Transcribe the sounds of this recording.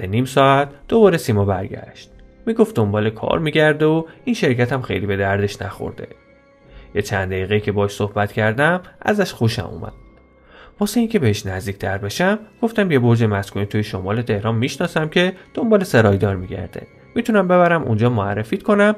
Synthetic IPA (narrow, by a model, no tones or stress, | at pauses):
teniːmsɒːæt̪d̪̥obɒːɾesiːmɒbæɾɟæ̰ʃt̪̚miːɡoft̪d̪ombɒːlekʰɒ̰ːɾmiːɟæɾd̪eoinʃe̞ɾcʲʰæt̪ʰæmxejliːbe̞d̪æɾd̪e̞ʃnæ̰xo̰ɾd̪e̞̰ | jet͡ʃʰænd̪æiːɣeiːcʲʰe̞bɒːʃsohbæt̪cʰæɾd̪æmʔæ̰zæʃxoʃæ̰mṵmʔæ̰d̪̥̚ | vɒːseiːŋcʰe̞beheʃnæzd̪iːc̚ʰʲt̪ʰæɾbe̞ʃæmɡ̥o̞ft̪æmje̞bo̞ɾd͡ʒemæskunit̪ʰuːjeʃomɒːle̞t̪ʰe̞hɾɒːmːiʃnɒːsæmcʰe̞d̪̥ombɒːlese̞ɾɒːjd̪ɒːɾmiɟæ̰ɾd̪̥ḛ | mit̪ʰunæmbe̞βæɾæmʔṵnd͡ʒɒːmoærːefiːt̪kʰo̞næm